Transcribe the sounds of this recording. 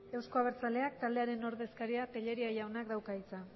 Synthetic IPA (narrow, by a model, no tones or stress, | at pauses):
e̞wsko̞aβ̞e̞ɾt͡sale̞ak̚t̪ald̪eaɾe̞no̞ɾðe̞skaɾiate̞ʎe̞ɾiajawnakd̪awkait͡sa